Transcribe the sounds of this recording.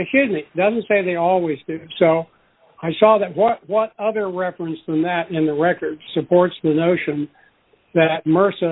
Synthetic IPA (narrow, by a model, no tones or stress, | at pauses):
ɨhɪd̚mid̥ʌz̃n̩tseɪðeɪɔlˠwizdʉsoʊ | aɪsɔðɨt̚wʌt̚wʌɾʌðə˞ɹɛfɹɨ̃nsðə̃mðɨɾɪ̃nðɨɹɛkə˞d̥sɨpʰɔɹtsðɨnoʊʃɨ̃n | ðɨt̚mɜ˞sɨ